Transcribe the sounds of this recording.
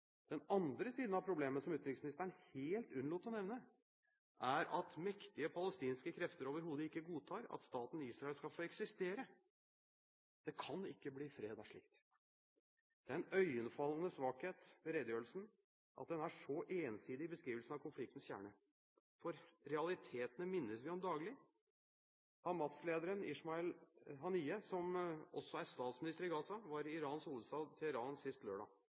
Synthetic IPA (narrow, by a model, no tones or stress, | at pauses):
d̪̥ɛnɑnd̪ɾəsiːd̪n̩ɑʋpʰɾʊbleːmənəsɔmʉt̪ɾɪksmɪnɪst̪əɳheːlt̪ʉnluːt̪ːɔnɛʋnə | ʔæɾʔɑt̪mɛkt̪ɪəpʰɑləst̪iːnskəkʰɾɛft̪əɾoːʋəɾɦuːd̪əɪkːəɡuːt̪ʰɑːɾɑ̰t̪st̪ɑːt̪n̩iːsɾɑɛlskɑlfoːɛksɪst̪eːɾə | d̪̥ɛkʰɑnɪkːəbliːfɾeːd̪æʂɭɪ̰k̚t̪ | d̪̥ɛæɾɛnœʏənfɑlːən̩əsʋɑːkheːt̪ʋɛɾeːd̪əjøːɾəl̩sn̩ | ʔɑ̰t̪̚d̪ɛnæʂɔʔeːnsiːd̪ɪbəskɾiːʋəlsən̩ɑʋkʰʊnflɪkt̪n̩sçjæ̰ːɳə | fɔɾɾɛɑlɪt̪ʰeːt̪ənəmɪnːəsʋɪɔmd̪ɑːɡlɪ | hɑmɑsleːd̪əɾənɪ̰ʂmɑɛlɦɑniːəsɔmɔsːɔæɾst̪ɑːt̪smɪnɪst̪əɾɪɡɑːsɑʋɑɾɪɪɾɑːnsuːləst̪ɑːd̪t̪ʰɛəɾɑːnsɪst̪løːɖɑ̰ː